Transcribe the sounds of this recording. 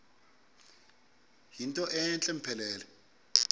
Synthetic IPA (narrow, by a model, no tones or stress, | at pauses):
ɦintʼɔʔɛnt͡ɬʼɛm̩pʰɛlɛːlɛ